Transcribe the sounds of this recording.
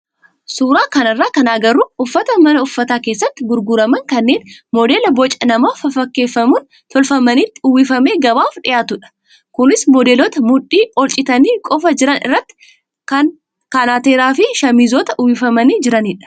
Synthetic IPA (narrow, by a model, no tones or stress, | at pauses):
suːɾaːkɐnɐrːaːkɐnaːɡɐrːuʊfːɐt̪ɐmɐnɐʊfːɐt̪aːke̞ːsːɐt̪ːɪɡʊɾɡʊɾɐmɐŋkɐnːe̞ːnmɔd̪eːlɐbɔt͡ʃʼɐnɐmaːfɐfɐkːe̞ːfːɐmuːn | t̪ɔlfɐmɐniːt̪ːɪʊwɪfɐme̞ːɡɐbaːfᶑɪjaːt̪ʊᶑɐ̥ | kʊnɪsmɔd̪eːlɔt̪ɐmʊᶑiːɔlt͡ʃʼɪt̪ɐniːkʼɔfɐd͡ʒɪɾɐnɪ̰rːɐt̪ːɪ̥ | kɐ | kanaːt̪eːɾaːfɪʃɐmiːzɔːt̪ɐʔʊwɪfɐmɐniːd͡ʒɪɾɐniːᶑɐ̥